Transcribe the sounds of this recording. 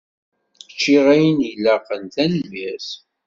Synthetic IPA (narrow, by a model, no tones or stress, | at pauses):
t͡ʃːiʁæjənjlːæqənθænəlːæs